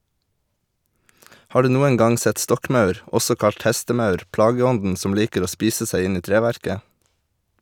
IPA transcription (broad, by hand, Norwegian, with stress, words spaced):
ˈhɑː ˈɖʉː ˈnuːəŋ ˈɡɑŋ ˈsɛt ˈstɔkˌmɑʉɾ ˈɔsɔ ˈkɑʎt ˈhɛstəˌmɑʉɾ ˈplɑːɡəˌɔndn̩ ˈsɔm ˈliːkəɾ ˈoː ˈspiːsə ˈsæɪ ˈɪn ˈiː ˈtɾeːʋæɾkə